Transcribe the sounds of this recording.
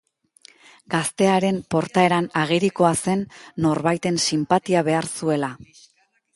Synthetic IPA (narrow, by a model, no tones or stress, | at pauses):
ɡast̪e̞aɾe̞mpo̞ɾt̪ae̞ɾanaɣ̞iɾiko̞ase̞nːo̞ɾβajt̪e̞nsimpat̪iaβe̞aɾsue̞la